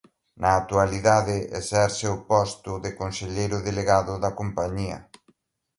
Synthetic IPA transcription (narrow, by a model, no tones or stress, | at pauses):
nɐːt̪ualiðaðɪʔḛsɛɾseʊpɔst̪ʊðɪkonseʎejɾʊðeleɣaðʊðɐkompaɲiɐ̰